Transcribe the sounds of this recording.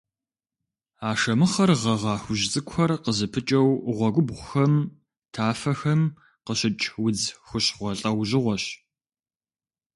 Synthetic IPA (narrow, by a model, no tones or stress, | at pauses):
aːʂɐmɨχɐrʁɐʁɑːxʷʊʒt͡sʼɨkʷʰxɐrqəzɨpʰɨt͡ʃʼɐwʁʷɔɡʷʊbʁʷʊxɐm | tʰaːfɐxɐm | qəɕɪt͡ʃʼwʊd͡zxʷʊɕχʷɔɬʼɐwʑɪʁʷɔɕ